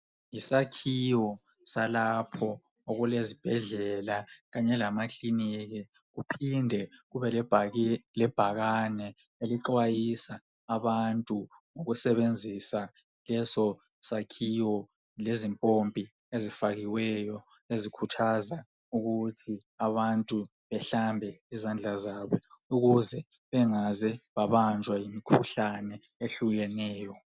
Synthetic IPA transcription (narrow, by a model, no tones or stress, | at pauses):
isakʰiwɔ | salapʰɔ | oɣulezib̥ʱɛɮɛlaɣaɲɛlamakʰʼliniɣi | ɣupʰindʱɛɣuβɛlɛblɛb̥ʱaɣanɛ | eliǃwajisaː | βantʼuŋoɣusɛβend͡zʱisa | lɛsɔ | sakʰiwɔ | lezimpʼompʼi | ezifaɣiwɛjɔ | ezikʰutʰaza | uɣutʰiaβantʼu | βɛɬambʱɛizand͡ɮʱazaːβɔuɣuzɛ | βɛŋazɛβaβand͡ʒʱwajimikʰuɬanɛ | eɬuɣɛnɛːjɔ